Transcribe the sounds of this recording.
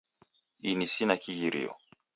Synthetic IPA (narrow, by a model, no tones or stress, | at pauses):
inisinakiɣiɾḭɔ̰